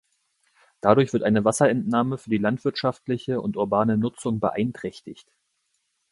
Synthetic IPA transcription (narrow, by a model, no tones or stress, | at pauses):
d̥adʊɐçv̥ɪɐtʔaɪnəvasɐɛntnaːməfyːɐdiːlantv̥ɪɐtʃaftlɪçəʊ̰ntʊɐbaːnənʊt͡sʊŋbə̰ʔaɪntʁ̥ɛçtɪçt